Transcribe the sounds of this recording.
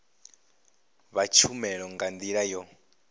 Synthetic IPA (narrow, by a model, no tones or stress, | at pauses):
βat͡ʃʰumɛɺɔŋɡand̪iɺajɔ